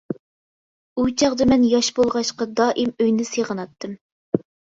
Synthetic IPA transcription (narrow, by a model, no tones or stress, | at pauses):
ut͡ʃʰɑʁd̪ɑmɛnjɑʃbolˠʁɑʃqɑd̪ɑːʔimøjnɪseʁənɑt̪ʰːɨm